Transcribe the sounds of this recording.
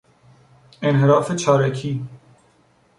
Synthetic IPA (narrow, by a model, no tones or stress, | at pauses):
enɦeɾɒːfet͡ʃʰɒːɾækʰiː